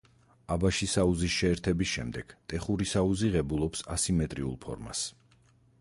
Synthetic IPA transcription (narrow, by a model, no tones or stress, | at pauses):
abaʃisauzisʃɛːɾt̪ʰɛbisʃɛ̰md̪ɛɡ̥t̪ʼɛχuɾisauziʁɛbulˠɔpsasimɛt̪ʼɾiṵlˠpʰɔ̰ɾma̰s